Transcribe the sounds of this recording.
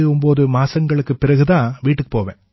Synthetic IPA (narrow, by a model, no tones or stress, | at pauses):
ɯʊmboːðɯmaːsɐŋɡɐɭɯkːɯpɪɾɐɣɯt̪ãːʋiːʈːɯkːɯ̥poːʋḛ̃ː